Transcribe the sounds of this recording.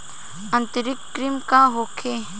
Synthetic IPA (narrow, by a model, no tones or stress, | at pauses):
ə̃nt̪əɾɪkːɾimkaɦoːkʰe